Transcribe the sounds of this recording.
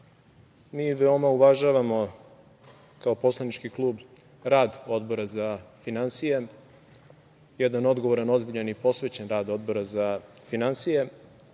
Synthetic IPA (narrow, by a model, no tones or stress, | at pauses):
miːʋeo̞mauʋaʒaʋamo̞ | kao̞po̞slˠanit͡ʃkiklˠuːb | ɾaːd̪o̞d̪bo̞ɾazafinansije | jɛd̪ano̞d̪ɡo̞ʋoɾano̞zbiʎanipo̞sʋet͡ɕe̞nɾaːd̪o̞d̪bo̞ɾaza | finansije